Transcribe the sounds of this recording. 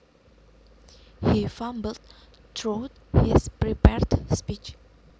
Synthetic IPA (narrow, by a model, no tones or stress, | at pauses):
hifãmbəlt | tʰɹot | hispɹipɛɹdspit͡ʃ